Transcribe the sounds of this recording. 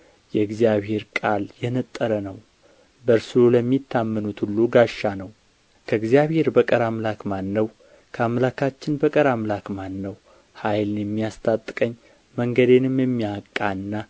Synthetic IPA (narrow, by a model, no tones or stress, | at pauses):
jɛɨɡzijaβhe̞ɾkʼaljɛnət̪ʼːəɾənəw | bəɾsɨɾoləmːit̪ʰːamːɨnut̪hulːuɡaʃːanəw | kʰəɨɡzijaβhe̞ɾbəkʼəɾamlakmanːəw | kʰəamlakʰat͡ʃːɪnbəkʼəɾamlakmanːəw | hajlnjɛmːijast̪ʰʼat̪ʼːɨ̥kʼəɲː | məŋɡəd̪e̞nɨmjɛmːiakʼːaɨnːa